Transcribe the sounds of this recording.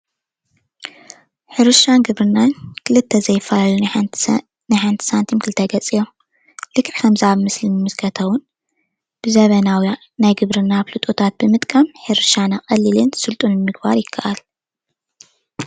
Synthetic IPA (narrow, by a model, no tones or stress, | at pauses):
ħɨɾɨʃanɡɨβɾɨnːankʰɨlɨt̪ʰːɐzɐjːɪfːɐlalu | najħant̪ʰɨ̥sant̪ʰimkʰɨlɨt̪ʰːɐɡɐt͡sʼijom | lɨkʼʕikʰɐmzɨʕaβmɨslinɨmɨskʰɐt̪ʰɐwʊn | b̥ɨzɐβɐnawa | najɡɨβɾɨnaβlut̪ʼot̪ʰat̪̚bɨmɨt̪ʼkʼɐmħɨɾɨʃanakʼɐlːilɨnsɨlt̪ʼunnɨmɨɡbaɾjɪkʰːɐʔal